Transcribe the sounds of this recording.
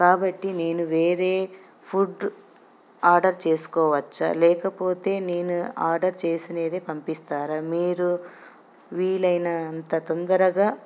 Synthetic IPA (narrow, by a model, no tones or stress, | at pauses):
kaːbɐʈːine̞ːnuʋe̞ːɾe̞ː | pʰuɖ | aːɾɖɐɾt͡ʃe̞ːsu̥kɔːʋɐt͡ʃːɐ̰lɛːkɐpo̞ːt̪e̞ːne̞ːnua̰ːɾɖɐɾt͡ʃeːsineːd̪eːpɐmpist̪aːɾɐmiːɾu | ʋiːlɐjnɐːnt̪ɐt̪ɔnd̪ɐɾɐɡaː